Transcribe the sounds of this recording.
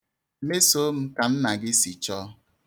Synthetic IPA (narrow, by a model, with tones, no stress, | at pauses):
me˦so˨˦m̩˦ka˨n̩˦na˨ɡɪ˦si˨t͡ʃɔ˦